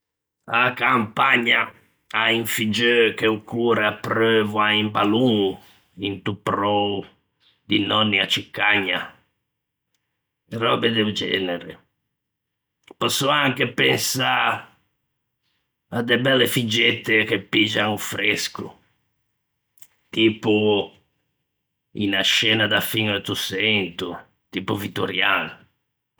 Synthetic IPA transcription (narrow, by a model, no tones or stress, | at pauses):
akampaɲːa | aiɱfid͡ʒøkeukuːɾapɾøvuaimpaluŋ | int̪upɾɔ | d̪inɔnːiat͡ʃːikːaɲːa | rɔbed̪eud͡ʒɛ̰ːneɾɪ | pɔsːɔaŋkepɛnsa | ad̪ɛbɛlːefid͡ʒɛt̪ːek̟epːid͡ʒaŋufɾeskṵ | t̪iːpu | ḭnaʃɛːnad̪afinot̪usɛnt̪u | t̪iːpuvit̪ːuɾjal